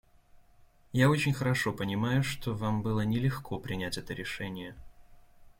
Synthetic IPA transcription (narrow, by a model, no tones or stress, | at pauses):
jaot͡ɕɪnʲxəɾɐʂo̞pənʲɪmajʊʂt̪ʰo̞vambɨlˠənʲɪlʲɪxkʰo̞pɾʲɪnʲætʲɛt̪əɾʲɪʂɛnʲɪjə